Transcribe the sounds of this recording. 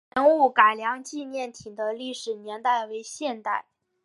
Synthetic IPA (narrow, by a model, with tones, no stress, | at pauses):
ə˧˥nu˥˩ka˨˩ɪljɑ˧˥ŋt͡ɕi˥˧njɛ˥˩nt̪ʰi˨˩d̪ə˦li˥˩ʂɻ̩˨˩njɛ˧˥nt̪a˥˩ɪwe˧˥ɪɕjɛ˥˧nt̪a̰˥˩ɪ